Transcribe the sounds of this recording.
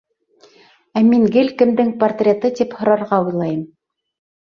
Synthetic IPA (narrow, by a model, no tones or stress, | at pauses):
æmiŋɡɘlkɘ̆md̪ɘŋpɐrt̪rʲet̪ɤt̪iphŏɾɑɾʁɑujlˠɑjɤm